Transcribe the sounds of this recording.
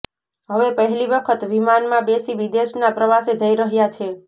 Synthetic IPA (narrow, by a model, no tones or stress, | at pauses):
ɦəʋepəɦɛliʋəkʰət̪ʋimanmãbesiʋid̪eʃnapɾəʋased͡ʒəiɾəɦjat͡ʃʰe